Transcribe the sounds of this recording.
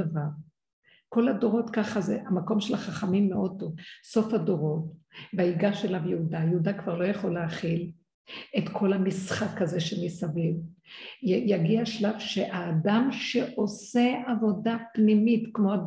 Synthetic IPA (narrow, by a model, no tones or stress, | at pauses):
avaʁ | ko̞lado̞ʁo̞tkaχazeʔamako̞mʃelaχaχamimːeo̞to̞so̞fhado̞ʁo̞tbaiɡaʃelavjeudajeudakv̥aʁlo̞jaχo̞leaχil | etkʰo̞lamisχakaze̞ʃemisaviv | jaɡiaʃlavʃeʔaːdamʃeʔo̞se̞avo̞dapnimitkmoa